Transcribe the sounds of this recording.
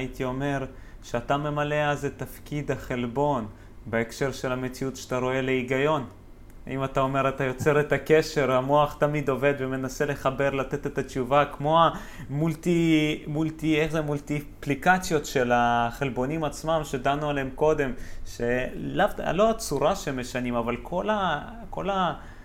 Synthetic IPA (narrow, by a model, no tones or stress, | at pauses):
it̪io̞me̞ʁ | ʃeat̪ame̞male̞azet̪afkid̪aχe̞lbo̞n | beekʃe̞ʁʃe̞lame̞t͡siutʃḁat̪aɾo̞e̞le̞iɡajo̞n | a̰imat̪ao̞me̞ɾat̪ajo̞t͡se̞ɾet̪ake̞ʃe̞ɾhamoaχt̪amid̪o̞ve̞d̪veme̞nase̞le̞χabe̞ʁlat̪e̞t̪et̪at͡ʃuvakmo̞a | mult̪imult̪ieχzemult̪iplikat͡sjo̞tʃe̞laχe̞lbo̞nimat͡smamʃedanualemko̞d̪e̞mʃe̞lavta̰lo̞at͡suɾaʃeme̞ʃanimavalkʰola | ko̞la